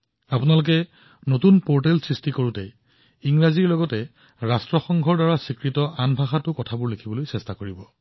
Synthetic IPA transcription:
apʊnalʊk̬ɛ | notunpoɹtɛlsɹistikoɹutɛj | iŋɹaziɹlɔɡɔtɛ | ɹastɹɔxɔŋɡʱɔɹdaɹasikɹitɔʔanbʱaxatʊkɔtʰabʊɹlekʰibɔlojsɛstakoɹibɔ

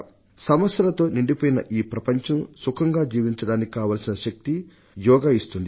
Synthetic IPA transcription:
sɐmɐsjɐlɐt̪o̞ːniɳɖipoːjinɐ̰ʔiːpɾɐpɐɲt͡ʃɐmsukʰɐŋɡaːd͡ʒiːʋiɲt͡ʃɐɽaːnikikaːʋaːlsinɐʃɐk̚t̪i | jɔːɡaist̪und̪i

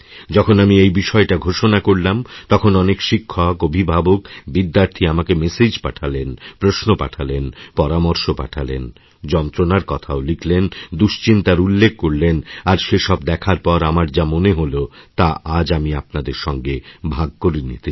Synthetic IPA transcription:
d͡ʑɔkʰonamiejbiʃɔeʈaɡʱoʃonakoɾlamt̪ɔkʰonɔnekʃikʰːɔkobʱibʱabokbid̪ːaɾt̪ʰiamakemesed͡ʑpaʈʰalenpɾosnopa̰ʈʰalenpɔɾamoɾʃopa̰ʈʰalḛn | d͡ʑɔnt̪ɾonaɾkɔt̪ʰaoliklend̪uʃt͡ɕint̪aɾulːek̚ʰkoɾlenaɾʃeʃɔbd̪ɛkʰaɾpɔɾamaɾd͡ʑamoneɦolot̪aʔad͡ʑamiapnad̪eɾʃɔŋɡebʱaɡ̚koɾinḭt̪

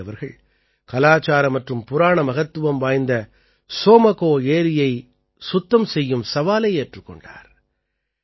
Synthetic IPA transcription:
ɐʋɐɾɣɐɭ | kɐlaːt͡ʃaːɾɐmɐʈrɯmpʊɾaːɳɐmɐɣɐt̪ːɯʋɐmʋaːjnd̪ɐ | soːmɐɣoːeːɾɪjɐɪ | sʊt̪ːɐmsɛjːɯmsɐʋaːlɐɪeːʈrɯkːɔ̰ɳɖa̰ːɾ

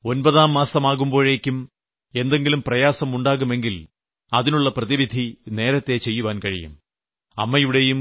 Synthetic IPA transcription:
o̞nbɐðaːmːaːsɐmaːɣumbo̞ːɻe̞ːkʲːum | e̞nd̪e̞ŋɡilumprɐjaːsɐmuɳɖaːɣume̞ŋɡil | ɐðinuɭːɐprɐðiʋid̪ʱine̞ːɾɐt̪ːe̞t͡ɕe̞jːuʋaːnkɐɻḭjṵm | ɐ̰mːɐjuɽe̞jum

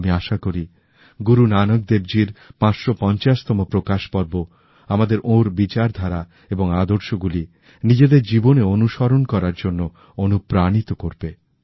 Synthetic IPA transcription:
miaʃakoɾi | ɡuɾunanok̚d̪ebd͡ʑiɾpãt͡ɕʃopɔnt͡ɕaʃt̪ɔmopɾokaʃpɔɾbo | amad̪eɾʔoɾbit͡ɕaɾd̪ʱaɾa | eboŋad̪oɾʃoɡuli | nid͡ʑed̪eɾd͡ʑiboneonuʃɔɾonkɔɾaɾd͡ʑonːo | onupɾañit̪okoɾbe

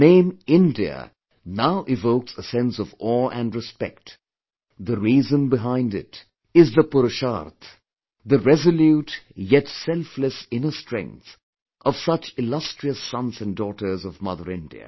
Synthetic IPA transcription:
nẽɪ̃mɪ̃ndiə̰ | naʊʔɪvoʊksəsɛ̃nsʌvɔʔɨ̃nɹɨspɛ̰k̚t | ðəɹiːzə̃nbɪɦãɪ̃ndɪ̰t | ɪzðəpʊɾɨʃa̰ɾt̪ʰ | ðəɹɛzəljutjɛtsɛlfləsɪ̃nə˞stɹ̥ɛ̰̃ŋk̚θ | ʔʌv̥sʌt͡ʃɪlʌstɹ̥iəsʌ̃nzɨ̃ndɔːɾə˞zʌvmʌðəɾɪ̃ndḭɨ̰

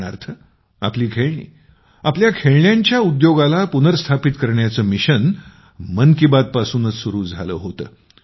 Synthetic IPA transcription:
ɽaɾt̪ʰə | a̰pliːkʰeɭɳḭː | apljakʰeɭɳjaɲt͡ɕjaud̪joɡalapunəɾst̪ʰapit̪kəɾɳjat͡səːmiɕən | mənkibad̪̚pasuːnət͡ssuɾuːd͡zʱalə̰ːɦot̪əː

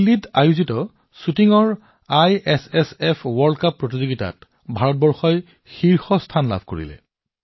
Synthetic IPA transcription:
lːitajuzitɔ | sutiŋɔɹ | ajɛsɛsɛpʰwɔɹdkapːɹotizoɡita̰t | bʱaɹɔt̚bɔɹxɔj | xiɹxɔstʰanla̰bʱko̰ɹḭlɛ̰

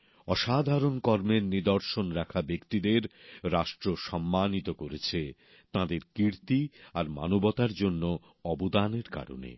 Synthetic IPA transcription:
ɔʃad̪ʱaɾonkɔɾmeɾnid̪oɾʃonɾakʰabekt̪id̪eɾɾaʃʈɾoʃɔmːanit̪okoɾet͡ɕʰe | t̪ãd̪eɾkiɾt̪iaɾma̰nobɔt̪aɾd͡ʑonːo | ɔbod̪aneɾka̰ɾo̰nḛ

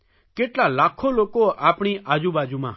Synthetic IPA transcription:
keːʈlalaːkʰːoloːkoaːpɽ̃iʔaːd͡ʒuːbaːd͡ʒumãː

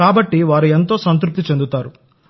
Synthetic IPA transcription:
aːbɐʈːiʋaːɾuent̪̬o̞ːsɐnt̪ɾup̚t̪it͡ʃe̞nd̪ut̪aːɾu

